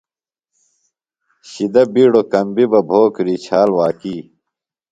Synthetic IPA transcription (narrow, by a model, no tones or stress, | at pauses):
ɕid̪ɐbiːɽokɐmbibɐbʱoːkɾiːt͡ɕʰaːlwaːkiː